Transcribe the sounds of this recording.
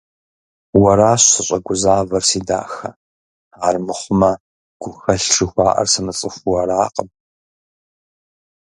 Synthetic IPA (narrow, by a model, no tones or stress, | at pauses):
wɐɾaːɕsɨɕʼɐɡʷʊzaːvɐrsiːda̰ːxɐ̰ | aːrmɨχʷʊmɐ | ɡ̥ʷʊxɐɬʈ͡ʂʰʼɨxʷɑːʔɐ̰rsɐmɨt͡sʼɨxʷwɐɾaːqʼəm